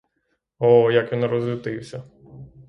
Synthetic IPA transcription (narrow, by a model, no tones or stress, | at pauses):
ɔjakʋʲinrɔzlʲɪt̪ɪwsʲɐ